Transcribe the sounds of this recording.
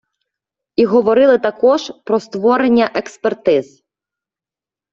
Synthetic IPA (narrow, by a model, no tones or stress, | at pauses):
iɦɔʋɔɾɪlˠɪt̪ɐkɔʒpɾɔst̪ʋɔɾenʲːɐʔekspert̪ɪz̥